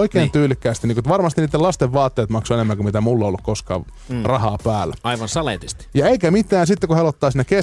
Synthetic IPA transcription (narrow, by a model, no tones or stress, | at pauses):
oikeːnt̪yːlːikːæːst̪iniːkuet̪ʋɑrmɑst̪iniːt̪ːelɑst̪eʋʋɑːt̪ːeːt̪mɑksoenemːæŋkumit̪æmulːeolːukkoskɑ̰ː | rɑhɑːpæːlːæ̰ɑiʋɑnsɑlḛːˑt̪ist̪i̥jɑeikæmit̪ˑæːnsit̪ːekuhelot̪ːɑːsinːeke